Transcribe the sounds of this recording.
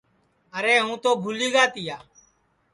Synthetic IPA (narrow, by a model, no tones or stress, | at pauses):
əɾeːɦũːt̪oːbʱuːliːɡaːt̪ɪjaː